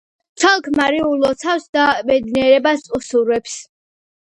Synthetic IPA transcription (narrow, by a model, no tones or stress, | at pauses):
t̪t͡ʃʰwalˠkʰmaɾiulɔt̪sʰafsd̪abɛd̪niɛɾɛbasʼusuɾwɛps